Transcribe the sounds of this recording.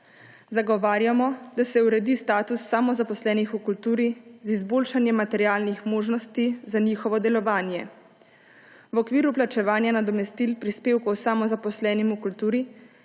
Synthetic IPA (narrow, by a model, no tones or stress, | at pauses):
zaɡɔʋaːɾjamɔd̪̥asɛuɾɛd̪ist̪aːt̪usːamɔzapɔslɛːnixukult̪uːɾizizboːlʃanjɛmat̪ɛɾjaːlnixmoːʒnɔst̪izanixɔʋɔd̪ɛlɔʋaːnjɛ | wɔkʋiːɾuplat͡ʃɛʋaːnjanad̪ɔmɛst̪ilpɾispeːwkɔwsamɔzapɔslɛːnimukult̪uːɾi